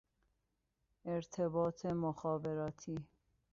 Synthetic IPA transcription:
ɛɾt̪ʰɛbɑːt̪ʰɛmoxɑːbɛɾɑːt̪ʰi

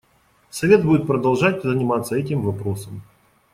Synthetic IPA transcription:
sɐvʲe̞t̪̚budʲɪt̪̚pɾəd̪ɐlˠʐat̚ʲzənʲɪmat̪səɛtʲɪmvɐpɾo̞səm

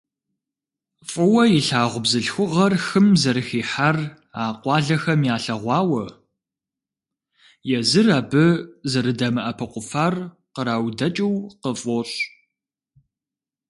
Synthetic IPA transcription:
fʼɨwɐjiɬaːʁʷʊbzɨɬxʷʊʁɐrxɨmzɐɾɨxiːħar | aːqʷɑːɮɐxɐmjaːɬɐʁʷɑːwɐ | jɛzɨraːbɨzɐɾɨdɐmɨʔɐpʰɐqʷʊfaːr | qəɾaːwdɐt͡ʃʼiwqəfʼoːɕ

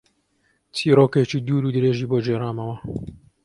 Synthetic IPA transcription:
t͡sʰiːɾoːket͡ʃiːd̪uːɾuːd̪ɨɾeːʒiːboːd͡ʒeːɾaːmɐwɐ

